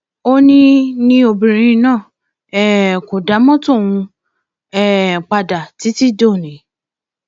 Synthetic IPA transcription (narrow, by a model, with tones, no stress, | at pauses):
o˦nĩ˧nĩ˧˦o˨bĩ˨ɾ̃ĩ˧˦nãː˦˨ | ɛ˦˨ko˨da˨˦mɔ̃˦to˦˨w̃ũ˧ | ɛ˦˨k͡pa˧da˨ti˨˦ti˦do˦˨ne˨˦